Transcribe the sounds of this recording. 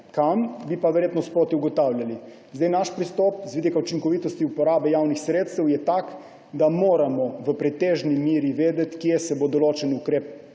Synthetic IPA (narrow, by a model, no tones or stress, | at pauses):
kambipaʋɛɾjeːt̪nɔspoːt̪iuɡɔt̪aːwljali | zd̪ajnaʃpɾist̪ɔpzʋid̪ikaut͡ʃiŋkɔʋiːt̪ɔst̪iupɔɾaːbɛjawnixsɾeːt̪st̪ɛwjɛt̪ak | d̪amoːɾamɔʋəpɾɛt̪eːʒnimiːɾiʋeːd̪ɛt̪kjesɛbod̪ɔloːt͡ʃɛnukɾeːp̚